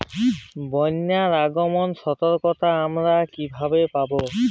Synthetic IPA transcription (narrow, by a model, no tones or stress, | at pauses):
bɔnːaɾaɡomonʃɔt̪oɾkot̪aamɾakibʱabepabo